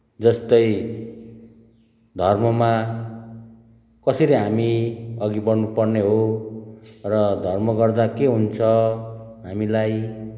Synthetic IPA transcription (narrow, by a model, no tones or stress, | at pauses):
d͡zʌst̪ʌj | d̪ʱʌrmʌma | kʌsʌɾʌɦamiʌɡibʌrnupʌrneɦo | rʌd̪ʱʌrmʌɡʌrd̪akeɦunt͡sʰʌɦamilaj